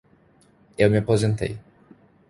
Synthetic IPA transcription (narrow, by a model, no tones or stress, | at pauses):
ewmɪapozẽnt̪ḛj